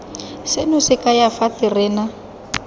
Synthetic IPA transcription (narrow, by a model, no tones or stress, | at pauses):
sɪnʊsɪkʼajafatʼɪrɪːna